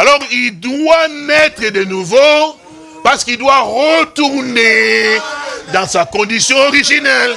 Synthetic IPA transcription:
alɔʁild̪wanɛt̪χəd̪ənuvo | paʁsə̥kild̪waʁət̪uʁne | d̪ɑ̃sakɔ̃d̪isjɔ̃ɔʁiʒinɛl

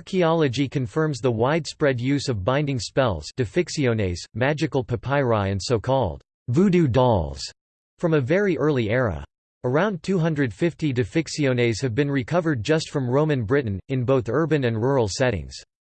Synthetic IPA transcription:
ɑɹkʰiɑlˠɨd͡ʒikʰɨ̃ɱfɜ̃˞mzðəwaɪd̥spɹɛdjʉzʌvbãɪ̃ndɪ̃ŋspɛlˠz̥d̥ɨfɪksiõʊneɪz̥mæd͡ʒɨkl̩ˠpʰɨpʰaɪɹaɪɨ̃nsoʊkʰɔlˠd̥ | vudʉdɔlˠz̥ | fɹʌ̃mɨvɛɹiʔɜ˞lˠiɛɹə̰ | ə˞ãʊ̃ntʰʉɦʌ̃ndɹɨd̥fɪftidɨfɪksiõʊneɪz̥ɨvbɨ̃nɹɨkʰʌvə˞d̚d͡ʒʌstfɹʌ̃mɹõʊ̃mɨ̃nbɹɪʔn̩ɨ̃nboʊθɜ˞bɨ̃nɨ̃nɹɔɹl̩ˠsɛɾɪ̰̃ŋz̥

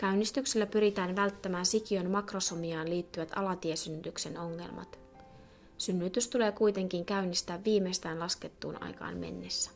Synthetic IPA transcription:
kæynist̪ykselːæpyɾit̪æːnʋælt̪ːæmæːnsikiø̞nmɑkro̞somiɑːnliːt̪ːyʋæt̪ɑ̰lɑt̪iesynːyt̪ykse̞no̞ŋːe̞̰lmɑ̰t̪ | synːyt̪yst̪ule̞ːkujt̪e̞ŋk̟iŋkæynist̪æːʋːiːmejst̪æːnlɑsket̪ːṵːnʔɑ̰jkɑ̰ːnme̞̰nːe̞sːæ̥

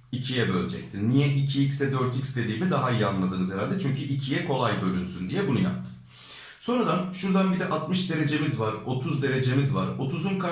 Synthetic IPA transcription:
icʰijɛbølʲd͡ʒɛ̰c̚t̪ʰinːijɛʔicʰiicsɛd̪øɾt̪icst̪ʰe̞d̪iːmid̪aɦaijanlˠad̪ɯːnɯzeɾalʲd̪ɛt͡ʃʰyɲcʰyʔicʰijɛkʰo̞lˠajbø̞lʲynsynd̪ijɛbunuja̰p̚t̪ʰɯ̥ | so̞nɾad̪anʃuɾd̪anbid̪ɛʔat̪mɯʃd̪e̞ɾe̞d͡ʒe̞mizvaɾo̞t̪ʰuzd̪e̞ɾe̞d͡ʒe̞mizvaɾo̞t̪ʰuzunkʰa

